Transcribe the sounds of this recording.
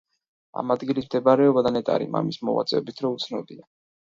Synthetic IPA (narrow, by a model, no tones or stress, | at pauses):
a̰mad̪ɡilismd̪ɛbaɾɛɔbad̪anɛt̪ʼaɾḭma̰mismɔ̰va̰t̪sʼɛ̰ɔbit̪ʰɾɔut̪sʰnɔd̪ia